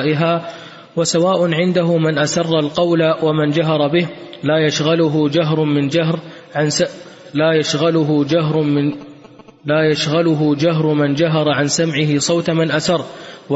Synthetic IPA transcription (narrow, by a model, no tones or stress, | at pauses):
ʔɪɦaː | wasawaːʔʊnʕɪnd̪aɦʊmɪnʔasɑrˤːɑlqɑwlawamand͡ʒaɦɑɾˤɑbɪhlaːjaʃɣalʊɦʊd͡ʒaɦɾˤmɪnd͡ʒaɦɾ | ʕ | laːjaʃɣalʊɦʊd͡ʒaɦɾ | laːjaʃɣalʊɦʊd͡ʒaɦɾˤmɪnd͡ʒaɦɑɾˤɑʕansamʕɪɦɪsˤɑwt̪amɪnʔasɑrˤːw